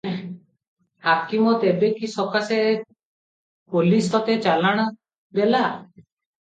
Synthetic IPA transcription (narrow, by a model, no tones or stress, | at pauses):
hakimɔt̪ebekisɔkase | polisɔt̪et͡ʃalaɽ̃ɔ | d̪ela